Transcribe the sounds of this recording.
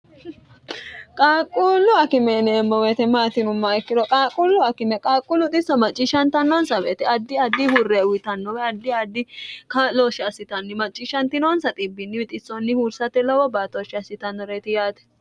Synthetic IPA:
kʼaːkʼːulːʊɐkɪmɛnɛːmːɔwet̪ɛmaːt̪ɪnʊmːɐɛkːɪd̪ɔkʼaːkʼːulːʊɐkɪmɛkʼaːkʼːulːʊt̪ʼɪsɐmɐt͡ʃʼːɪʃɐnt̪ɐnːɔnsɐbɛt̪ɛɐd̪ːɪɐd̪ːɪhʊrːɛwɪt̪ɐnːɔwɛɐd̪ːɪɐd̪ːɪkɐloːʃɪɐsɪt̪ɐnːɪmɐt͡ʃʼːɪʃɐnt̪ɪnonsɐt̪ʼɪbːɪnːɪmɪt̪ʼɪsɔnːɪhuːɾsɐt̪ːɛlɐwɔbaːt̪oːʃɪɐsːɪt̪ɐnːɔɾeːt̪ɪjaːt̪ɛ̥

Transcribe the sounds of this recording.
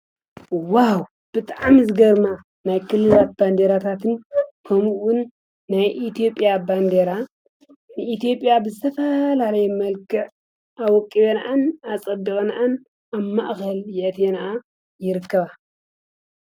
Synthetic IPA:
waw | b̥ɨt̪ʼaʕmzɨɡɐɾma | najkʰɨlːɨlat̪̚band̪eɾat̪ʰat̪ʰɨnkʰɐmuwʊnː | ajʔit̪ʰijo̞pʼːjaband̪eɾa | nɨʔit̪ijo̞pʼjabɨzɨt̪ʰɐfɐlalɐjɛmɐlkʰɨʕ | ʔawɔkʼːiβenʔanasʼɐd̪ɨɣʼɐnʔan | aβmaʔkɐljɪʔt̪ʰjenaʔa | jɪɾɨkʰːɐβa

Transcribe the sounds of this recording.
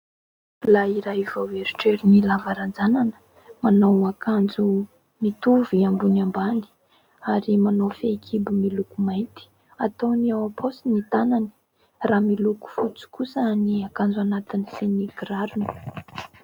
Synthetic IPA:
laiɾaivawveɾiʈ͡ʂeɾinilavaɾand͡zananə̥ | manawakand͡zu | mit̪uviambunamband̪i̥ | aɾimanowfekʰibimilukumajt̪i̥ | at̪owniawapʰosinit̪anani̥ | raːmiluku̥fut͡su̥kusəniakand͡zuanat̪iniseniɡraɾunə̥

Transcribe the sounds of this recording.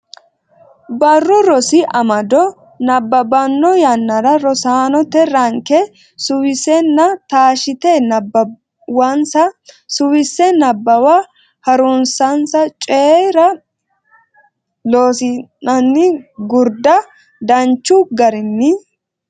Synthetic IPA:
bɐrːʊɾɔsɪʔɐmɐd̪ɔ | nɐbːɐbɐnːɔjɐnːɐɾɐɾɔsaːnɔt̪ɛɾɐŋkɛ | sʊwɪsɛnːɐt̪aːʃɪt̪ɛnɐbːɐ | wɐnsɐsʊwɪsːɛnɐbːɐwa | hɐɾʊnsɐnsɐt͡ʃʼeːɾɐ | loːsɪnɐnːɪɡʊɾd̪ɐ | d̪ɐnt͡ʃːʊɡɐɾɪnːɪ

